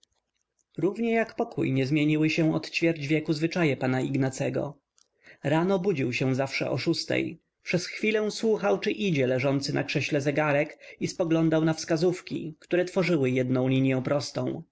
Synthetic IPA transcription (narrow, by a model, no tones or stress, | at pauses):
ɾuvɲɛjakpɔkṵjɲɛzmʲjeɲiwɘɕɛ̃ɔt̪t͡ɕfʲjɛɾd͡ʑvʲjɛkuzvɘt͡ʂajɛpanaiɡnat̪sɛɡɔ̰ | ɾanɔbud͡ʑiwɕɛzafʂɛ̰ʔɔ̰ʂust̪ɛ̰j | pʂɛsxfʲilɛ̃swuxawt͡ʂɘʔid͡ʑɛlɛʐɔnt̪sɘna̰kʂɛɕlɛzɛɡaɾɛkispɔɡlɔnd̪awnafskazufkʲḭkt̪uɾɛt̪fɔʐɘwɘjɛd̪nɔ̃w̃lʲiɲjɔ̃w̃pɾɔst̪ɔ̰̃w̃